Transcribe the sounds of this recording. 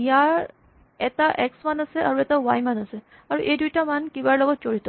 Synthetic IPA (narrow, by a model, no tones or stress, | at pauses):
jaɾ | et̪aʔeksmanəseʔaɾuet̪aʋajmanəse | aɾuʔediʈamankibaɾlɔɡɔt͡ʃoɽit̪ɔ